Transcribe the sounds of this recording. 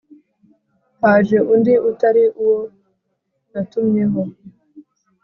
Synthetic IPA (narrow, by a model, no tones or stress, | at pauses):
haːʒeʔundiʔutaɾiʔuwo | natumɲeɦo